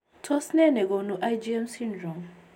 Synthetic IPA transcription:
tʰɔ˦snɛ˦nɛ˨ɡo˨nu˦ʔa˦jd͡ʒi˦ɛ˦msi˦ndɾɔ˨m

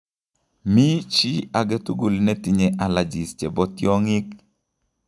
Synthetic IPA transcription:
mi˦t͡ʃi˦a˨ɡɛ˦tu˦ɡu˨lnɛ˦ti˨ɲe˨ʔa˨la˨d͡ʒi˨st͡ʃɛ˨bɔ˦t̪jɔ˦ŋɪ˦k

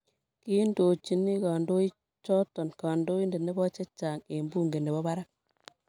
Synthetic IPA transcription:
ki˦ndoː˨t͡ʃi˨ni˦kaː˨ndo˦i˦ | t͡ʃɔ˦tɔ˨nkaː˨ndo˦i˦nde˨ne˦bɔ˦t͡ʃe˦t͡ʃːaː˨ŋe˨mbu˦ŋɡe˨ne˨bɔ˦ba˦ɾa˦k̚

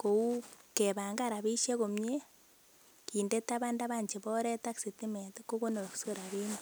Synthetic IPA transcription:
ko˨u˦keβa˨ŋɡaɾa˨βi˦ʃe˦komɲe | kinde˦taβa˦nda˦βa˦ɲt͡ʃe˨βo˦ɾe˦ta˦ksetime˨teko˦ko˦no˨ɾo˨ku̥so˦ɾa˨βeːni

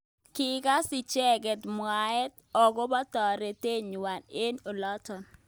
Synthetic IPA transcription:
kɪ˦ka˦sɪ˨t͡ʃɛ˦ɡɛ˨tmwa˨ɛ˦t̚ | ɔ˨ɡɔ˦bɔ˦tɔ˨ɾe˨te˦ɲu˨wa˨ne˦no˨lɔ˦tɔ˨n

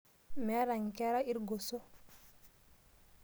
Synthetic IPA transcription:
mɛ˦ɾa˨ŋkɛ˦ɾa˦i˦ɾɡo˨so˦

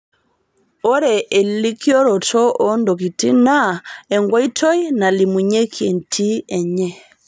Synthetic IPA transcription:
o˦ɾe˨ʔe˨li˦kʰi˦ɔ˦ɾɔ˨tɔ˦ʔɔ˦ndo˨ki˨ti˦na˦ɛ˨ŋɡwa˦i˦tʰɔ˦i˦na˨li˨mu˨ɲe˦kʰje˨ntʰi˦ɛ˨ɲɛ˦

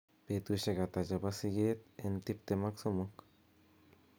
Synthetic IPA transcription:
pe˨t̪u˧ʃe˧ɡa˨t̪a˨d͡ʒa˨ba˧si˧ɡe˦t̪e˧nt̪i˦p̚t̪e˧ma˦kso˦mo˦k

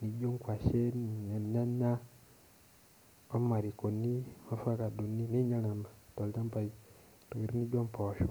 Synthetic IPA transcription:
ni˨ɟo˦ŋkwa˨ʃe˦n˨ɲa˨ɲa˦na˦ | o˦ma˨ɾi˨ko˨ni˦ma˦fa˦ka˨du˨ni˦ni˦ɲa˦na˨ma˨to˨li˦ta˦mpa˨i | to˨ki˨ɾi˦ni˦ɟo˦mpɔ˨ʃo˨

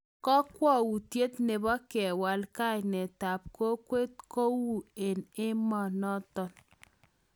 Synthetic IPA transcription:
kɔ˦kwɔ˦˨wu˨tje˦tne˨bɔ˦kɛ˨wa˨lka˦˨jnɛ˨ta˨p̚ko˦kwe˦t̚ko˦wu˨e˨nɪ˦mɔ˨nɔ˦tɔ˨n

